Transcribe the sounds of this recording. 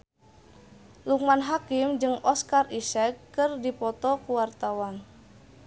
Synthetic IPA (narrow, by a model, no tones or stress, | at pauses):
luk̚manɦakimd͡ʒɨŋɔskarisɛkːɨrdipɔt̪ɔkuwart̪awan